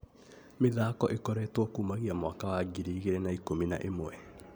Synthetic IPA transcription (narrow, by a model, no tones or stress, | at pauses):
meðaːkɔʔekɔɾɛtwɔkuːmaɣiamwakawaɡiɾiːɣeɾɛnaikomina̰ʔemwɛ